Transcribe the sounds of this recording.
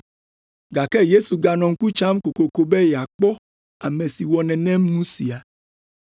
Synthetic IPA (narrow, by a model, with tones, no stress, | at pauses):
ɡa˨kɛ˦je˦su˨ɡa˨nɔ̃˨ŋ̩˦ku˦t͡ʃa˦mko˨ko˨ko˨bɛ˦jɛ˨a˨k͡pɔ˦ | a˨mɛ̃˨si˨wɔ˨nɛ̃˨nɛ̃˦m˦nũ˦si˨a˨